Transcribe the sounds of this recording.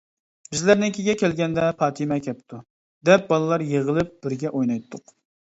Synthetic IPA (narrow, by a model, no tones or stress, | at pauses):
b̥ɪzlæɾnɪŋkʲʰiɡʲɛkʲɛlɡʲɛnd̪ɛpʰɑːt̪ʰimɛkʲɛp̚t̪ʰu | d̪ɛp̚bɑlˠɨlˠɑɾjeʁəlˠɨp̚b̥ɪɾɡʲɛʔojnɑjt̪ʰːʊq